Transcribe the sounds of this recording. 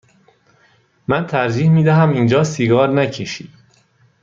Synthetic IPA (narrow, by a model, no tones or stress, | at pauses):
mænt̪ʰæɾd͡ʒiːhmiːd̪æɦæmiːnd͡ʒɒːsiɡɒːɾnæcʰeʃiːd̪